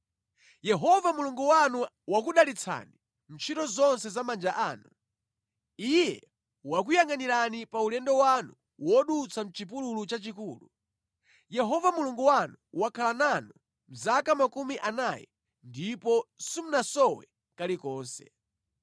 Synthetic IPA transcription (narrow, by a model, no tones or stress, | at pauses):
jɛɦɔvamuluŋɡuwanu | wak̬uɗalit͡sʰa̰ni | m̩t͡ʃʰitɔzɔnsɛzamand͡ʒaʔaːnu | ijɛ | wak̬ujaŋɡaniɾanipaulɛndɔwanu | wɔɗut͡sʰam̩t͡ʃip̬ululut͡ʃat͡ʃikuːlu | jɛɦɔvamuluŋɡuwanuwakʰalananu | m̩zakamakumiʔanajɛ̰ | ndipɔsim̩nasɔwɛ̰ | kalikɔːnsɛ̰